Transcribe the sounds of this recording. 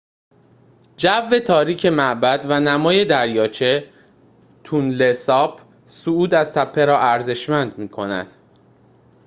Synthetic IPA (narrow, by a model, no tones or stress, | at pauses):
d͡ʒævːe̞t̪ʰɒːɾiːcʰe̞mæʔbæd̪vænæmɒːje̞d̪æɾjɒːt͡ʃʰe̞ | t̪ʰunle̞sɒːpʰ | suuːd̪æz̥t̪ʰæpʰːe̞ɾɒːʔæɾze̞ʃmænd̪miːkʰo̞næ̰d̪̥